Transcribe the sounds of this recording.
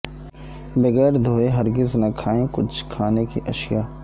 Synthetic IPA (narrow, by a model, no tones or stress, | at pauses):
bɐɣɛːɾd̪ʱoːeɦɐɾɡɪznɐkʰaːẽkʊt͡ʃʰkʰaːnekiʔɐʃɪjaː